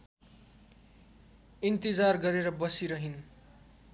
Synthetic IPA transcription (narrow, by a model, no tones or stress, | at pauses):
int̪id͡zarɡʌɾeɾʌbʌsiɾʌɦin